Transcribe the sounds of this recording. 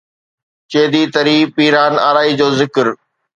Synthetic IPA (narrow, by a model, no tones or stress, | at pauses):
t͡ɕeːd̪it̪ɐɾiːpiːɾaːnaːɾaːid͡ʑoːzɪkɾ